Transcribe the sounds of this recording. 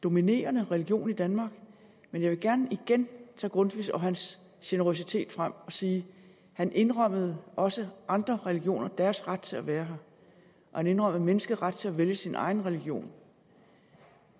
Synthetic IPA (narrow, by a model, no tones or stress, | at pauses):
d̥o̝mine̝̰ːɐnəʁɛliɡ̥jo̝̰ːnid̥ænmɑ̈ːɡ̥ | menjɑ̈ɪʋe̝ɡ̥æɐnəiɡ̥ent͡sʰɑ̰ːɡ̥ʁɔ̽nd̥ʋḭsɒ̽ɦæns | ɕenəʁo̝s̬it͡sʰe̝̰ːd̥fʁam̰ɒ̽siː | hænʔe̝nʁɶm̰əð̞̩ˠʔɒ̽səʔɑ̈nd̥ʁɐʁɛliɡ̥jo̝̰ːnʔɐd̥æɐsʁad̥̚t͡sʰe̝læʋæːɐɦɑ̈ | ʔɒhæne̝nʁɒm̰ð̩ˠmenəsɡ̥əðˠʁad̥̚t͡sʰe̝læʋeljəsinʔɑ̈ɪn̩ʁɛliɡ̥jo̝̰ːn